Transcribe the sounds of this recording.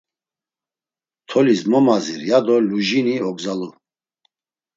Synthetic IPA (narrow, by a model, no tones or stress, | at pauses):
t̪ʰɔlismɔmaziɾjad̪ɔluʒiniɔɡzalu